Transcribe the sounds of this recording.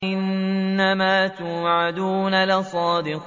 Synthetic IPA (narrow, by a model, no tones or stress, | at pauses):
ʔɪnːamaːt̪uːʕad̪uːnalɪsˤɑːd̪ɪq